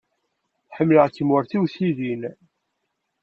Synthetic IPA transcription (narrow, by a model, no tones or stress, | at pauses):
θħəmːləʁkːəmwəɾθiwθiðin